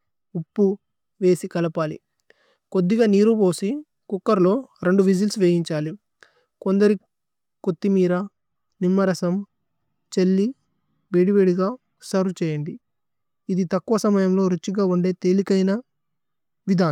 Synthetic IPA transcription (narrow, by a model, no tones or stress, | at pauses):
upːu | ʋe̞ːsikɐlɐpaːlḭ | kod̪ːiɡaːniːɾuboːsi | kukːɐɾlo̞ːɾe̞ɳɖuʋid͡ʒilsʋeːjiɲt͡ʃaːli | ko̞nd̪ɐɾi | kot̪ːimiːɾɐ | nimːɐɾɐsɐm | t͡ʃelːi | beɽiʋeːɽiɡaː | sɐɾut͡ʃɛːjɐɳɖiː | d̪it̪ɐkːuʋɐsɐmɐjɐmlo̞ːɾut͡ʃːiɡaːuɳɖe̞ːt̪e̞ːlikɐjnɐ | ʋid̪ʱaː